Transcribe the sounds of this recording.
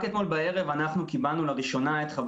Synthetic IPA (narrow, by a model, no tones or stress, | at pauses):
ket̪mo̞lbae̞ʁevanaχnukibalnulaʁiʃo̞naet̪χab